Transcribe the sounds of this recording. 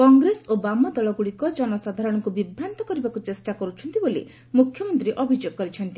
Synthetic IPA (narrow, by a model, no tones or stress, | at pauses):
kɔŋɡɾesobamad̪ɔɭɔɡuɽikɔd͡ʒɔnɔsad̪ʱaɾɔɽ̃ɔŋkubibʱɾant̪ɔkɔɾibakut͡ʃesʈakɔɾut͡ʃʰɔnt̪ibolḭ | mukʰjɔmɔnt̪ɾiʔɔbʱid͡ʒoɡ̚kɔɾit͡ʃʰɔnt̪i